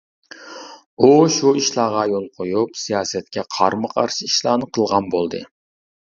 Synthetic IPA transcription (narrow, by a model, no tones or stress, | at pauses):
uʃuiʃlˠɑːʁɑjolˠqʰojupsijɑːsɛt̪̚kʲɛqʰɑ̰ɾmɨqʰɑɾʃiiʃlˠɑːnɨqʰəlˠʁɑnbolˠd̪ɨ̰